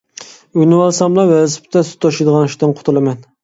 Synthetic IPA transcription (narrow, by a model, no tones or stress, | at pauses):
yjnɨwɑlˠsɑmlˠɑwɛzɪpt̪ʰɛsy̥t̪ʰːɑʃid̪əʁɑnyʃt̪ɨnqʰʊ̥t̪ʰulˠɨmɛn